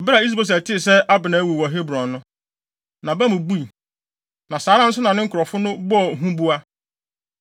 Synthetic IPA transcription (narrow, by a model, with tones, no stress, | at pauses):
bɪ˦ɾa˨i˦s̬bo˦s̬æ˨tʰɪ˦˨sɛ˦a˦bɪ˨nã˨˦wu˨wɔ˨ɦe˦bɾɔ̃˨n˦nʊ̃˦ | nã˨ba˦mʊ̃˨bu˦i˨ | nã˨saː˨˦ɾã˦n̩˦sʊ˦nã˨nɪ̃˦ŋ̩˦kʰʊ˨ɾɔ˨fʊ˦nʊ̃˦bɔ˦ɔ˨ɦũ˦bu˦a˦